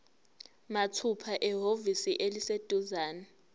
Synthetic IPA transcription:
matʰupʰaʔɛɦovisiʔelised̥ʱuzaːna

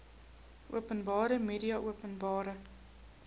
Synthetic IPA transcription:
ʔuəpənbɑːɾəmeːdiɐʔuəpənbɑːɾə

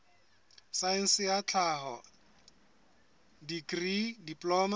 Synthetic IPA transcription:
saɛn̩sɪjat͡ɬʰaɦɔ | dikridipʼlɔːma

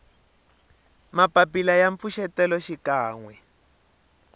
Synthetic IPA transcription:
mapapilajaɱp̪fuʃɛtɛlɔʃikaːŋwɛ

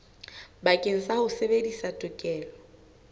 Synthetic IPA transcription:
bakʼen̩sahʊsebedisatʼʊkʼɛːlɔ

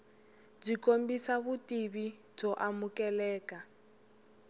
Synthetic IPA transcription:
b͡ʐikombisaβutiβi | b͡ʐɔʔamukɛlɛːka

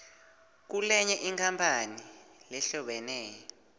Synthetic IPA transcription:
k̬ulɛɲɛʔiŋkʰampʰanilɛɬɔɓɛnɛːjɔ

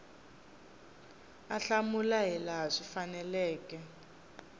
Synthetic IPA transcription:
aɬamulaɦɛlaɦaʂifanɛlɛːkɛ

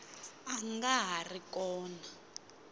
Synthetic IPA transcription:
aŋɡaɦarikɔːna

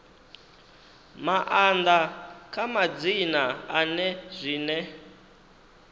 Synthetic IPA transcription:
maʔand̪akʼamad͡zinaanɛzʷiːnɛ

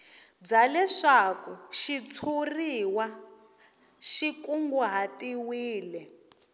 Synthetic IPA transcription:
b͡ʐalɛʂakuʃit͡sʰuriwa | ʃikʼuŋɡuɦatiwiːlɛ

